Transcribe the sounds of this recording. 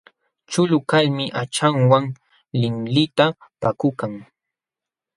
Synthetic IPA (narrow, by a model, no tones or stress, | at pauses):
t͡ʃʊlʊkalmɪʔat͡ʃaŋwaŋ | lɪmlɪt̪apakʊkaŋ